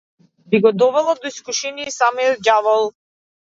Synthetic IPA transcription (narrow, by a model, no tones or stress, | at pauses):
biɡɔd̪ɔvɛlˠad̪ɔiskuʃɛniɛsamijɔt̪̚ɡavɔlˠ